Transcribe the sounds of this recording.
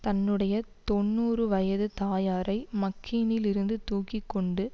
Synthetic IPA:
t̪ɐnːɯɽɐjɐt̪ɔnːuːrɯʋɐjɐðɯt̪aːjaːɾʔɐɪmɐkʰːiːnɪlɪɾɯnd̪ɯt̪uːkɪkːɔɳɖɯ

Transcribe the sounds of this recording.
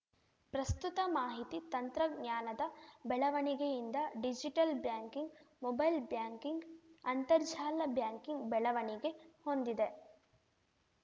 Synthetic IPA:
pɾɐst̪ut̪ɐmaːɦit̪it̪ɐnt̪ɾɐɡɲaːnɐd̪ɐbɛɭɐʋɐɳiɡejind̪ɐɖid͡ʒiʈɐlbjaːŋkiŋɡmobɐjlbjaːŋkiŋɡɐnt̪ɐɾd͡ʒaːlɐbjaːŋkiŋɡbɛɭɐʋɐɳiɡe̞ho̞nd̪id̪e̞

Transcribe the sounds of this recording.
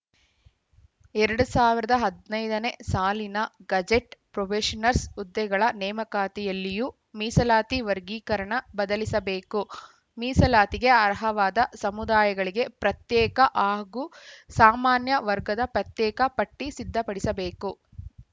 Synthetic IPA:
ɛɾɐɽusaːʋiɾɐd̪ɐɦɐd̪nɐjd̪ɐne̞saːlinɐɡɐd͡ʒeʈpɾoʋeːʂɐnɐɾsud̪ːɛɡɐɭɐnɛːmɐkaːt̪ijɐlːiju | miːsɐlaːt̪iʋɐɾɡiːkɐɾɐɳɐbɐd̪ɐlisɐbeːku | miːsɐlaːt̪iɡe̞ɐɾɐɦɐʋaːd̪ɐsɐmud̪aːjɐɡɐɭiɡe̞pɾɐt̪jɛːkɐʔaːɡusaːmaːnjɐʋɐɾɡɐd̪ɐpɾɐt̪jɛːkɐpɐʈːisid̪ʱːɐpɐɽisɐbeːku

